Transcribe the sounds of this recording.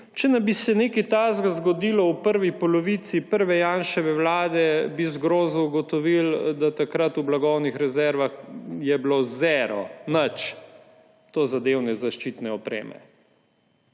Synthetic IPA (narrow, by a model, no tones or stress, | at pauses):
t͡ʃɛnabisɛneːkit̪aːzɡzɡɔd̪iːlɔwpəɾʋipɔlɔʋit̪sipəɾʋɛjanʃɛʋɛwlaːd̪ɛbizɡɾoːzuɡɔt̪ɔʋild̪at̪akɾat̪ublaɡɔwnixɾɛzɛɾʋaxjɛblozɛɾɔ̰nət͡ʃ | t̪oːzad̪eːwnɛzaʃt͡ʃit̪nɛɔpɾḛːmɛ̰